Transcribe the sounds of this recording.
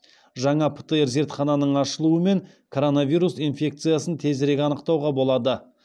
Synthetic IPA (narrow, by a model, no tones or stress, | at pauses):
ʒɑɴɑpʰə̥t̪əeɾze̞ɾt̪χɑnɑnəɴɑʃəlˠuəme̞ŋ | kʰo̞ɾo̞navʲijɾusinfʲe̞k̚t̪sɨjasənt̪ʰe̞zɾe̞ɡʲɑnəqt̪ɑwʁɑbo̞lˠɑd̪ə